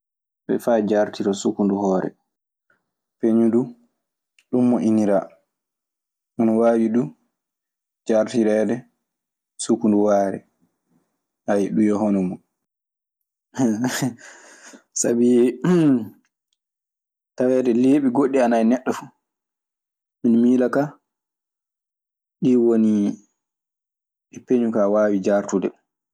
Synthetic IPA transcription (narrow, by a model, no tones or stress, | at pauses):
ɓɛ̰fajd͡ʒaɾtiɾɔsukunduhɔːɾɛ̰ | peɲudu | ɗumːɔʔiniɾa | ʔɔnɔwaːɓiɗu | d͡ʒaɾtiɾɛdɛ | sukunduwaːɾɛ̰ | ʔajɛɗujɔɦɔnɔmɔ | sabi | tawɛdɛleːɓiɡoɗːianajnɛɗːɔfu̥ | minmiːlaka | ɗiwoni | ɛpeɲukawaːwid͡ʒaɾtudɛ